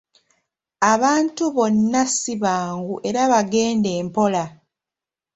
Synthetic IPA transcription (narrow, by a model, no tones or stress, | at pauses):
aβaːntuβo̞nːasiβaːŋɡuʔe̞ɾaβaɡe̞ːnde̞ːmpo̞la